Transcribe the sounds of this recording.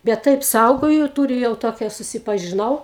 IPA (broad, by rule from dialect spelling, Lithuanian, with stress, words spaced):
bʲɛt ˈtɐɪp ˈsɐʊɡoːjʊ ˈtuːrʲʊ jɛʊ ˈtoːkʲɛ sʊsʲɪpɐʒʲɪˈnɐʊ